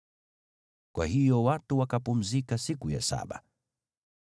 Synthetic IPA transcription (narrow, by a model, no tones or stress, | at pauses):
kwa̰hijɔwatuwakapum̩zikasikuja̰sa̰ɓa̰